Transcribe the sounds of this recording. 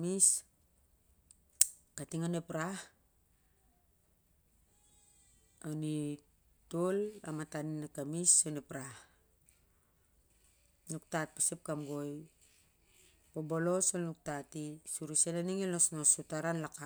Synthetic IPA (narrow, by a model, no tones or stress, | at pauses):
mis | katiŋanepɾah | oni | tola̰mataninakamisonepɾah | nuk̚tat̚pasip̚kamɡo̞j | pobo̞lo̞solnuk̚tatisuɾisenaniŋelosnosutaɾanlaka